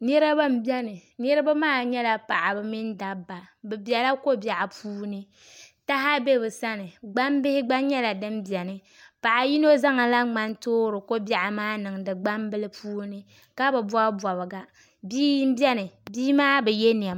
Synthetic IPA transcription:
ni˦ɾa˦ba˦m˦bɛ˦nɨ˨nɛ˦ɾɨ˦ba˦maː˦˨ɲɛ˦la˨pa˨ʔa˨bɨ˨mi˦n˦da˨bːa˨bɛ˨bjɛ˨la˦ko˦bja˨ʔa˨puː˦nɨ˦ | ta˦ɦa˦be˦bɨ˨sa˦nɨ˨ɡ͡ba˦mbɪ˦hɪ˦ɡ͡ba˦ɲɛ˦la˨dɨ˦mbi˨ɛ˨nɨ˨ | pa˨ʔa˨ji˦no˦za˦ŋa˨la˦ŋ͡ma˦ntoː˦ɾɨ˨ko˦bja˨ʔa˨maː˦nɨ˨ŋ˨dɨ˨ɡ͡ba˦mbɨ˦lɨ˦pʰuː˦nɨ˦ | ka˦bɨ˨ba˦bɔ˨bɨ˨ɡa˨ | biː˦m̩˦bɛ˦nɨ˨biː˦maː˦bɛ˨jɛ˦n˨ɛ˨m

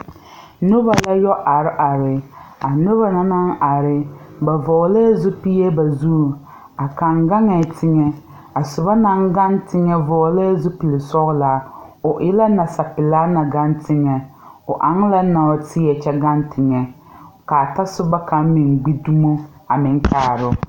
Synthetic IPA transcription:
nʊ˦ba˨la˦jɔ˦ʔa˨ɾɪ˦ʔa˨ɾɪ˨a˨nʊ˦ba˨na˨na˦ŋa˨ɾɪ˦ | ba˨vɔː˨ɣlɛ˦zʊ˦pi˦jɛ˦ba˨zu˦˨ | a˨ka˨ŋɡa˦ŋɛ˨tʰɪ˦ŋɛ˦ | a˨sʊ˨ba˦na˦ŋɡa˦ntɪ˦ŋɛ˦vɔː˨˦le˦zʊ˦pi˨lɪ˨sɔ˦ɣla˨˦ʊ˨ʔɪ˦la˦na˨sa˨pɪ˨laː˦na˨ɡa˦ntɪ˦ŋɛ˨ʊ˨ʔa˨˦ŋ˦la˦na˨o˨˦tʰɪ˦ɛ˨t͡ʃɛ˦ɡa˦ntʰɪ˨ŋɛ˨ | ka˨ta˦sʊ˦ba˦ka˨˦mɪ˨ŋɡ͡bi˦du˦mo˦a˨mɪ˨˦n˦taː˨ɾʊ˦

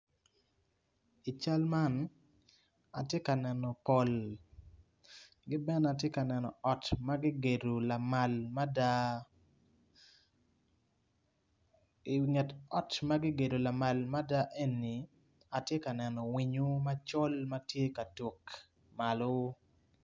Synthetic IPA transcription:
i˨t͡ʃa˦lma˦n | a̰˨tje˦ka˨nɛ˨nɔ˨pɔ˨l | ɡɪ˦bɛ˦na˨tje˦ka˨nɛ˨nɔ̰˨ɔ˨tma˦ɡɪ˦ɡe˨do˨la˨ma˨lma˦da˨ | ŋɛ˨tɔ˦tma˦ɡɪ˦ɡe˨do˨la˨ma˨lma˦da˦ʔe˦nːi˨ | a˨tje˦ka˨nɛ˨nɔ˨wi˨ɲo˦ma˦t͡ʃo˦lma˦tje˦ka˨two˨k | ma˨lo˦

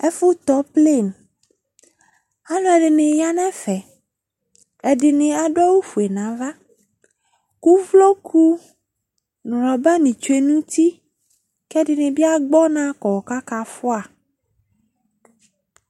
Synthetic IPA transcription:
ɛ˦fu˦t̪ɔ˦ple˦˨n | a˦nɔ̃˦ɛ˨ɖe˨nẽ˨ja˦nɛ̃˦fɛ˨ | e˨ɖi˨nẽ˨a˨ɖɔ˦wu˦fu˨e˨nã˨va˦ | ku˦vlo˦kʰu˦ | n˨ɾɔ˨bɛ˦nĩ˨t͡ʃe˦nũ˦t̪i˦ | kɛ˦ɖi˨nẽ˨bi˦a˦ɡ͡bɔ˦nã˦kɔ˨wɔ˨ka˦ka˨fu˦a˨

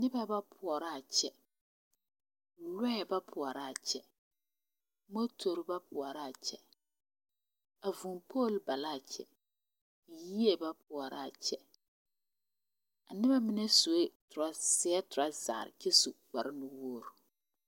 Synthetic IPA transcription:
nɪ˦ba˦ba˦pʰʊ˨ɔ˨ɾa˦a˨t͡ʃɛ˨ | lɛ˦ɛ˨ba˦pʰʊ˨ɔ˨ɾa˦˨a˨t͡ʃɛ˨ | mo˦tʰo˨ɾɪ˨˦ba˦pʊ˨ɔ˨ɾa˦˨a˨t͡ʃɛ˦ | a˨vʊ˨npʰo˦˨lba˨la˦˨t͡ʃɛ̰˨ | ji˦e˦ba˦pʰʊ˨ɔ˨ɾa˦˨a˨t͡ʃɛ˨ | a˨nɪ˦βa˦mɪ˦nɛ˦so˨e˦tʊ˨ɾa˦sɪ˨˦ɛ˦tʊ˨ɾa˦za̰˨ɾɪ̰˨t͡ʃɛ˦su˨ɡ͡ba˨ɾɪ˦nʊ˦wo˦˨ɾu˨

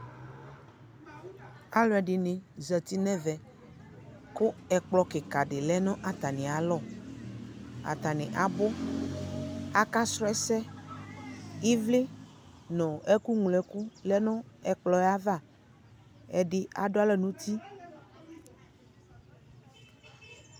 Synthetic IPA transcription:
a˦lɔ˨ɛ˨ɖɪ˨nẽ˨zɛ˨t̪i˦nɛ̃˦vɛ˨ | ko˦ɛ˨k͡plɔ˨˦ke˨ka˨ɖe˨lɛ˦nɔ̃˦ʔa˨t̪a˨nĩ˨a˨lɔ˦ | a̰˨t̪a˨nẽ˨ʔa˨bo˦ | a˦ka˦sɾɔ˦ɛ˦sɛ˦ | i˦vle˦ | nɔ̃˨ʔɛ˦ku˦ŋu˨lɛ˨ku˦lɛ˦nɔ̃˦ɛ˨k͡plɔ˨˦ɛ˦a˦va˦˨ | ɛ̰˨ɖɪ˦a̰˨ɖo˦a˦lɛ˦nũ˦t̪i˦

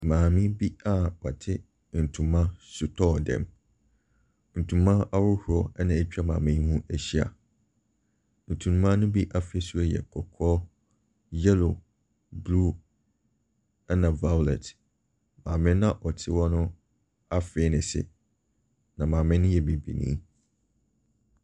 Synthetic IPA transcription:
mãː˨mɪ̃˦bi˦a˦wɔ˨tʰɪ˦ | n̩˨tʰũ˨mã˦su˨tʰɔ˦˨dɛ̰̃˨m | n̩˨tʰũ˨mã˦a˦ɾʊ˦hu˨ɾɔ˦ɛ˦nã˨e˨t͡ɕᶣa˦mã̰ː˨mɪ̃˦hũ˦æ˨ɕi˦a̰˨ | n̩˨tʰũ˨nũ˦mã˦nʊ̃˦bi˦ʔa˦fɪ˦ɛ˦su˦a˦jɛ̰˨kʰɔ˨kʰɔː˦ | jɛ˦lo˨ | bluː˦ | ɛ˦nã˨va˦˨lɛ̰˨t | mãː˨mɪ̃˦nã˦ʔɔ˨tʰɪ˦wɔ̃˦nʊ̃˦ | a˦fɪ˨˦nɪ̃˨sɪ̰˨ | nã˨mã˨mɪ̃˦nʊ̃˦jɛ˨bi˨bḭ˨nḭ̃˦

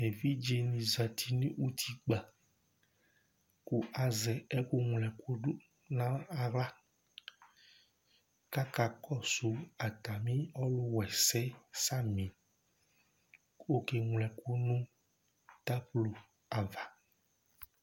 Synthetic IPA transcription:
me˨vi˦d͡ʒe˨nĩ˨za˨t̪ʰi˦nẽ˦ʔu˦t̪ʰi˨k͡pa˨ | ku˦ʔa˨zɛ˨ɛ˦ku˦ŋ˨lɛ˨ko˦ɖu˦ | nã˦a˨ɣla˦ | ka˦ka˨kɔ˦su˨a˨t̪a˨mĩ˦ɔ˦lʊ˦wɛ˨sɛ˦sa˦mĩ˨ | wo˦ke˨ŋ˨lɛ˨ko˦nũ˦ | t̪a˦plo˨ | a˨va˨

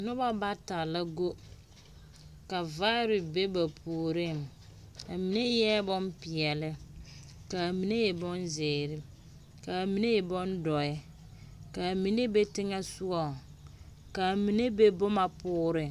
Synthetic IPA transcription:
nʊ˦ba˦ba˦ta˨la˦ɡo˦ | ka˨va˦ɾɪ˨be˦ba˨pʰuː˨ɾɪ˦˨m | ka˨mi˨ne˦jɛ˦bɔ˦mpɪ˨ɛ˨lɪ˦ | ka˨mi˨ne˦jɛ˨bɔ˦nzɪː˨ɾɪ˦ | ka˨mi˨ne˦jɛ˨bɔ˦ndɔ˨ɛ˦ | ka˨mi˨ne˦be˦tɪ˦ŋa˦sʊ˦ɔ˨ | ka˨mi˨ne˦be˦bʊ˦ma˨pʊː˦ɾɪ˦

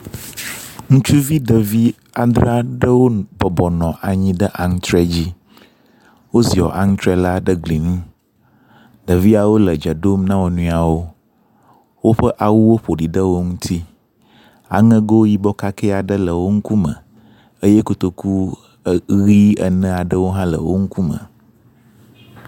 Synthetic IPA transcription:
ŋũ˦t͡ʃu˦vi˦ɖə˨vi˦ | a˨d̪ɾa˦ɖə˦wo˦bɔ˨bɔ˨nɔ̃˨ʔa˨ɲĩ˦ɖə˦ʔa˨ŋ˦t̪ɾɛ˦d͡ʑi˦ | wo˦zi˨ɔ̰˨ʔa˨ŋ̩˦t̪ɾɛ˦la˦ɖə˦ɡli˨nũ˦ | ɖə˨vi˦a˨wo˦lə˨d͡ʒə˨ɖo˦mnã˦wo˨nũ˨˦˨a˨wo˦ | wo˦ɸə˦ʔa˨wu˦wo˦ɸo˨ɖi˨ɖə˦wo˦ŋũ˦t̪ʰi˦ | a̰˨ŋə̃˦ɡo˦wo˦ji˦bɔ˦ka˦kɛ˦a˨ɖə˦lə˨wo˦ŋ̩˦ku˦mə̰̃˨ | ə˦je˦ko˨t̪o˨ku˦ | ɣi˦ə̰˨nə̃˦a˨ɖə˦wo˦ɦã˦lə̰˨wo˦ŋ̩˦ku˦mə̰̃˨

